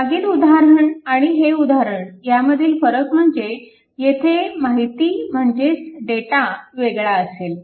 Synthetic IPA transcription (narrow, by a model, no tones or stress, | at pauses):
aɡiːt̪ud̪ʱaɾəɳaɽ̃iɦeud̪ʱaɾəɳjaməd̪ʱiːlfəɾəkm̤əɳd͡ze | jet̪ʰemaɦit̪iːm̤əɳd͡ʑesɖeʈaʋeɡɭaəsel